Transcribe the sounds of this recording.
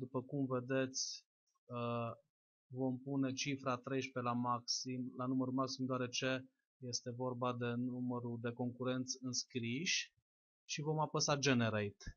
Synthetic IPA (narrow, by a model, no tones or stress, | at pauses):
d̪upəkumve̞d̪e̞t̪sʲ | ə | vo̞mpune̞t͡ʃifɾat̪ɾe̞jʃpe̞lamaksimlanuməɾumaksimd̪oaɾe̞t͡ʃe̞ | je̞st̪e̞vo̞rbad̪e̞numəɾud̪e̞ko̞ŋkuɾe̞nt̪sʲɨnskɾiʃʲ | ʃivo̞mapəsad͡ʒeneɾajt̪